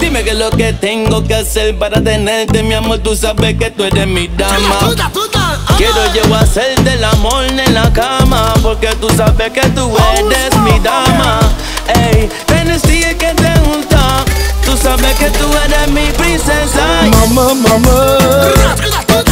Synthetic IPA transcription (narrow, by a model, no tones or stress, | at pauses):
t̪imekeloket̪ẽŋɡokeselpaɾat̪eneɾt̪emĩamot̪usabeket̪uɛdemid̪ama | keɾod͡ʒewaselt̪elamoɾnẽlakamapoɾket̪usabeket̪uɛdesmĩd̪ama | ej | t̪enesiket̪eũt̪at̪usabeket̪uɛd̪emipɾisesamammama